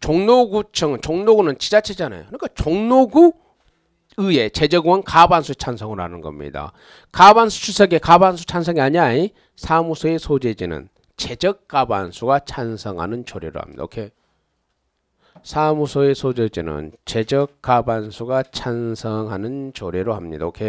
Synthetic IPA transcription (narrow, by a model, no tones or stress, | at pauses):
t͡ɕoŋnoɡut͡ɕʰʌŋɯnt͡ɕoŋnoɡunɯnt͡ɕid͡ʑat͡ɕʰed͡ʑana̰jo̰kɯɲik͈at͡ɕoŋnoɡu | ɯe̞t͡ɕe̞d͡ʑʌɡwʌnkabansʰuet͡ɕʰansʰʌŋɯɾoɦanɯnɡʌ̰mɲḭda̰ | kabansʰu̥sʰusʰʌɡekabans̬ʰu̥t͡ɕʰans̬ʰʌŋiaɲiai | sʰamusʰoesʰod͡ʑed͡ʑinɯ̰n | t͡ɕed͡ʑʌk̚k͈ːaba̰nsʰuɡat͡ɕʰansʰʌŋɦa̰nɯnt͡ɕoɾiɾo̰ha̰mɲidao̰kʰe | sʰamusʰoesʰod͡ʑed͡ʑinɯ̰nt͡ɕe̞d͡ʑʌk͈ːabansʰuɡat͡ɕʰansʰʌŋɦanɯnt͡ɕoɾiɾohamɲḭd̪a̰okʰe